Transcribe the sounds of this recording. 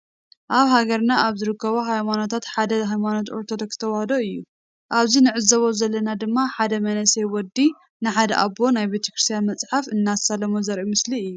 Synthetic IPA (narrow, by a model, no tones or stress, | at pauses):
ʔaβhaɡɐɾnaʔaβzɨɾɨkʰːɐβoɦajmano̞t̪ʰat̪ħad̪ɐɦajmano̞t̪o̞ɾt̪ʰod̪okst̪ʰɐwahɐd̪oɨjːu | ʔaβzinɨʕɨzɐβo̞zɐlːɐnad̪ɨmːaħad̪ɐmɐnɐsejwɔd̪ːi | nɨħad̪ɐʔabo̞najbet̪ʰɐ̥kɾɨst̪ʰijanmɐt͡sʼħafɨnːasalɐmozɐɾʔimɨsliɨjːu